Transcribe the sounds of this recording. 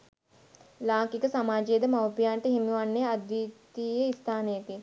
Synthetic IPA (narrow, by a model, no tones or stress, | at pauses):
laːkikəsamaːd͡ʒejed̪əmawpijaːnʈəɦimuʋanːejad̪jut̪ijeist̪ʰaːnəjəki